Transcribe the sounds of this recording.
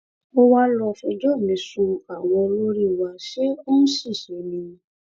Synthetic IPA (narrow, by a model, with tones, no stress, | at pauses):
o˦wa˦lɔ˧fɔ˧d͡ʒɔ˦˨mĩ˨˧˦su˧a˨w̃ɔ̃˧lo˦ɾi˦˨wa˧ʃe˦o˦n̩˦ʃi˦˨ʃe˨˦nĩ˧